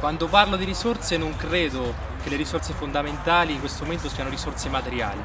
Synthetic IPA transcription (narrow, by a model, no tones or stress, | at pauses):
kwand̪oparlod̪iɾisort̪senoŋkɾeːd̪o | k̟elːeɾisort̪sefond̪ament̪aːliːŋkwest̪omoment̪osiːanoɾisort̪semat̪eɾja̰ːli